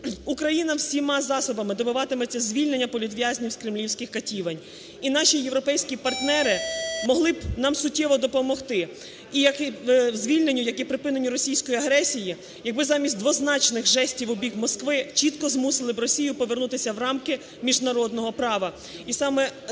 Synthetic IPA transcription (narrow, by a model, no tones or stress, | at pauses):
ukɾɐjinɐwsʲimɑzɑsɔbɐmɪd̪ɔbʊʋɑt̪ɪmɛt͡sʲːɐzʲʋʲilʲnenʲːɐpɔlʲid̪ʋʲjazʲnʲiwskɾɪmlʲiwsʲkɪxkɐtʲiʋɐnʲ | inɑʃʲijewɾɔpɛjsʲkʲipɐrt̪nɛɾɪmɔɦlˠɪbnɑmsʊtʲːɛʋɔd̪ɔpɔmɔxt̪ɪ | ijɐkizʲʋʲilʲne̞nʲːʊjɐkipɾɪpɪnenʲːiɾɔsʲijsʲkɔjiɐɦɾɛsʲiji | jɐɡ̚bɪzɑmʲisʲtʲd̪ʋɔznɑt͡ʃnɪxʒɛsʲtʲiʋʊbʲikmɔskʋɪt͡ʃit̪kɔzmusɪlˠɪbrɔsʲijʊpɔʋernut̪ɪsʲɐwrɑmkɪ | mʲiʒnɐɾɔd̪nɔɦɔpɾɑʋɐ | isɑmɛ